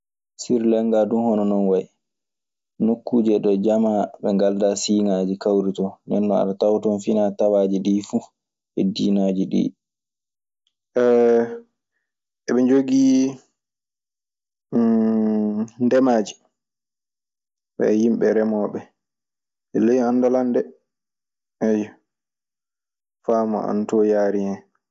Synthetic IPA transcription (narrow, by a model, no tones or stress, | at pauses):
siɾlɛŋɡadunhɔnɔnɔnwaj | nokʰːuːd͡ʒɛɗɔd͡ʒamaɓɛŋɡaldasiːŋad͡ʒikawɾitɔndɛnːɔa̰ɗatawtɔnfinatawad͡ʒiɗiːfu | hɛdiːnad͡ʒiɗḭ | ʔɛ | ʔɛɓɛɲd͡ʒoɡiː | ndɛmaːd͡ʒi | ɓɛ̰jimɓɛɾɛmɔːɓɛ | ɛlejanːdalandɛ | ɛjɔ | faːma̰a̰ntɔjaːɾiɛ